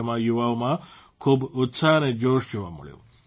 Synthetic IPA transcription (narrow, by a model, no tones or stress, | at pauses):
əmãjuʋaomã | kʰuːbʊt̪saəned͡ʑoʃjuʋa̰mə̰ɭjo̰